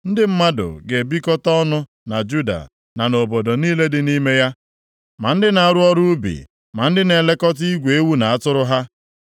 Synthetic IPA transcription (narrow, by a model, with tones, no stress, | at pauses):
n̩˦dɪ˦m̩˦ma˦dʊ̰˨ɡe˨bi˦kɔ˦tɔ˦nʊ˦ | na˨d͡ʒu˦da̰˨ | na˨no˨bo˨do˨niː˦le˦dɪ˨ni˦me˦ja˦ | ma˨n̩˦dɪ˦na˨a˨ɾʊ˦ɔ˦ɾu˦bḭ˨ | ma˨n̩˦dɪ˦ne˨le˦kɔ˦t̬i˦ɡʷe˨e˦wu˦na˨a˦tʊ˦ɾʊ˦ɦa˦